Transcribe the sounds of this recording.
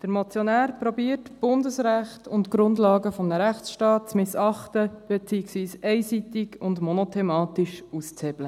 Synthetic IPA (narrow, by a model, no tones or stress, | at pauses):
d̥əɾmɔt͡sjonæːɾpɾɔbiːətb̥ʊndəsɾæχtʰʊntɡ̥ɾʊndlɑːɡəfɔmnəɾæχt͡sʃtɑːt̚t͡smɪsɑχtəb̥et͡siɪksʋiːsɛɪsitɪɡʊndmɔnotʰɛmɑːtiʃust͡shɛb̥lə